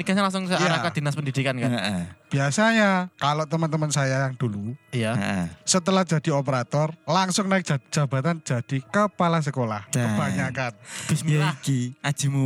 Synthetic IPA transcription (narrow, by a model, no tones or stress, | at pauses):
iɡasɲalaŋsʊŋjaɾakad̥i̤naspəndid̥ikankab̥iasaɲakaloʔt̪əmənt̪əmənsajajaŋd̪̥ulujasət̪əlahd̥d͡ʒ̥a̤d̥iopəɾat̪ɔrlaŋsʊŋnaɪk̚d͡ʒḁd͡ʒ̥aba̤t̪and͡ʒ̥a̤d̥ikəpalas̬əkolahkəb̥aɲakanb̥esaikiḁd͡ʒ̥imu